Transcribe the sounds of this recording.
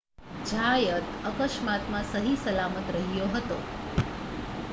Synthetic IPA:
d͡ʒʱajət̪əkəʃmat̪mãsəɦisəlamət̪ɾəɦijoɦət̪o

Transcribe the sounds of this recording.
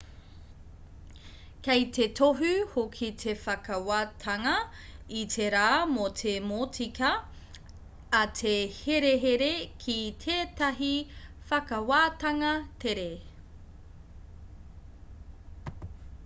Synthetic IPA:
kejt̪e̞tʰoɦʉhokʰit̪ʰefɐkɐwaːtʰɐŋɐitʰeɾaːmotʰemoːtikɐ | tʰeheɾeɦeɾekʰitʰeːtɐɦi | fɐkɐwaːtɐŋɐteɾe

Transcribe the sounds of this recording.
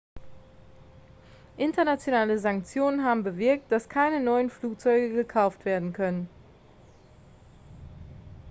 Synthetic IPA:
ʔɪntɐnat͡sjonaːləzaŋk̚t͡sjoːnənɦaːbm̩bəvɪɐk̚td̥askʰaɪnənɔʏənfluːk̚t͡sɔʏɡəɡəkʰaʊftv̥eːɐdn̩kʰœnən

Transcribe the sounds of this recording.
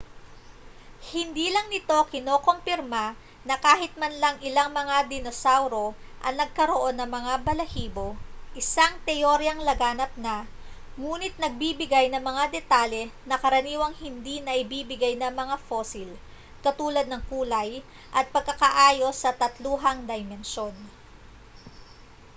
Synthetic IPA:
hɪnd̪iːlɐŋnɪt̪o̞kɪno̞ːko̞mpɪɾma | nɐkaːɦɪt̪̚mɐnlɐŋɪlaŋmɐŋad̪ɪnosawɾo̞ʔɐŋnɐɡ̚kɐɾo̞ʔo̞nːɐŋmɐŋabɐlɐhiːbo̞ʔɪsaŋt̪ɛʔoɾjɐŋlɐɡaːnɐp̚nɐ | ŋuːnɪt̪̚nɐɡ̚bibɪɡajnɐŋmɐŋad̪ɛt̪aːljɛnɐkɐɾɐniːwɐŋhɪnd̪inɐʔɪbiːbɪɡajnɐŋmɐŋafo̞ːsɪl | kɐt̪uːlɐd̪nɐŋkuːlɐj | ʔɐt̪̚pɐɡ̚kɐkɐʔaːjo̞sɐt̪ɐt̪luːɦɐŋd̪ɐjmɛnʃo̞n

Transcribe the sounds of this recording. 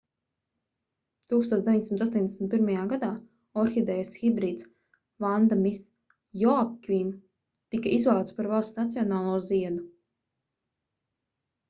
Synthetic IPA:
t̪uːkst̪oːt̪d̪eviɲʲd̪esimit̪ast̪oɔːnd̪esm̩ʲt̪̚piɾmajaːɡad̪aː | ɔɾxid̪ɛjasxibɾiːt̪s | vand̪mis | jɔakvim | t̪ikaʔizvaːt̪spaɾvalˠsnat̪siɔnaːlˠuɔziɛd̪u

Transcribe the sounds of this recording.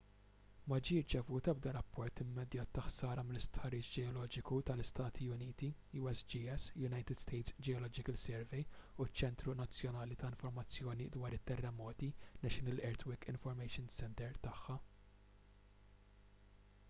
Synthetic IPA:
mɐd͡ʒiːɪɾt͡ʃɛvuːt̪ɐb̚d̪ɐɾɐpːɔɾt̪ɪmːɛd̪jɐːt̪ːɐħsɐːɾɐmɪlɪst̪ħɐɾːiːt͡ʃd͡ʒɛɔlɔːd͡ʒɪkut̪ɐlɪst̪ɐːt̪ʰiʊniːt̪i | juːɛsd͡ʒiːɛsjʊnɐjt̪ɪd̪st̪ɛjt̪sd͡ʒɛɔlɔːd͡ʒɪkɐlsɛɾvɛjut͡ʃːɛnt̪ɾunɐt͡sːjɔnɐːlit̪ɐɪnfɔɾmɐt͡sːjɔːnid̪wɐːɾɪt̪ːɛrːɛmɔːt̪inɛʃɪnɪlʔɛɾt̪wɪkɪnfɔɾmɛjʃɪnsɛnt̪ɛɾt̪ɐħːɐ

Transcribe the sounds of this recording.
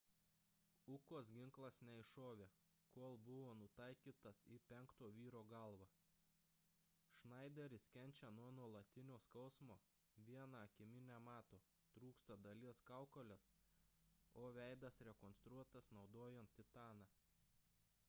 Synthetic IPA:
ʊkoːsɡʲɪŋklˠɐsnʲɛɪʃoːʋʲeː | koːlˠbʊʋoːnʊt̪ɐɪkʲiːt̪ɐsipʲɛŋkt̪oːʋʲiːɾoːɡɐlˠʋɑ | ʃnɐˑɪd̪ʲɛɾʲɪsʲkʲɛnʲt͡ʃʲɛnuɔnuɔlˠɐt̪ʲɪnʲoːskɐʊsmoː | ʋʲiɛnɑɐkʲɪmʲɪnʲæːmɑːt̪oː | t̪ɾuːkst̪ɐd̪ɐlʲiɛskɑˑʊkolʲɛs | oːʋʲæˑɪd̪ɐsɾʲɛkɔnst̪ɾuɔt̪ɐsnɒʊd̪oːjɛnt̪t̪ʲɪt̪ɑːnɑ

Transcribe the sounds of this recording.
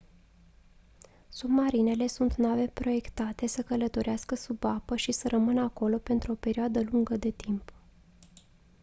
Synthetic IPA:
submaɾine̞le̞sunt̪nave̞pɾo̞je̞kt̪at̪e̞səkələt̪o̞ɾʔeaskəsubapəʃisəɾʔəmɨnəako̞lo̞pe̞nt̪ɾuo̞pe̞ɾiad̪əluŋɡəd̪e̞t̪imp

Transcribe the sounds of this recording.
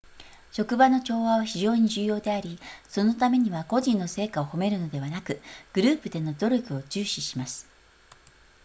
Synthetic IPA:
ɕo̞kɯ̟bano̞t͡ɕo̞ːβaβaçiʑo̞ːɲ̟id͡ʑɨːjo̞ːd̪e̞aɾʲiso̞no̞t̪̬ame̞ɲ̟iβako̞ʑĩnːo̞se̞ːkao̞ho̞me̞ɾɯ̟no̞d̪e̞βanakɯ̟ɡ̥ɯ̟ɾɯ̟ːpɯ̟d̪e̞no̞d̪o̞ɾʲo̞kɯ̟o̞t͡ɕɨːɕiɕimasɨ̥

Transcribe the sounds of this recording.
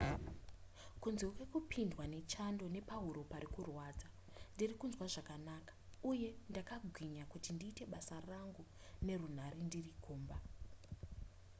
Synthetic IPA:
kunzeukwekupʰindwane̞t͡ʃando̞ne̞paɦuɾo̞paɾikurwaːd͡za | ndirikunzwaʐakanaːkḁuje̞ndakaɡʱwiɲakutindiːte̞ɓasaraŋɡu | ne̞run̤aɾendirikʰoːmba

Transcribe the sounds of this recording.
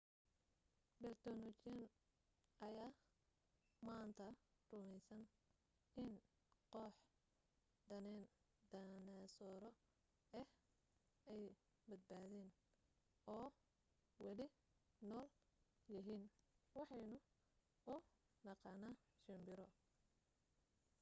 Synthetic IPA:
bɛrt̪ʰɔnɔt͡ʃɛn | ʔɐjaː | maːnt̪ʰɐrʊmɛjsɐn | ɪn | qɔħ | d̪ɐnɛn | d̪ɐnasɔːɾɔ | ɛh | ɛj | bɐd̪̚baːðɛːn | ʔɔː | wɑlɪ | nɔːl | jɐɦiːnwɑħɑjnʊ | ʊ | nɑqɑnaːʃɪmbɪɾɔ

